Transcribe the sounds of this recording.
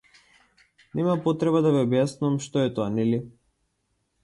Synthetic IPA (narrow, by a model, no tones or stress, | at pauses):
nɛmapɔt̪ɾɛbad̪aviɔbjasnuamʃt̪ɔɛt̪ɔanɛli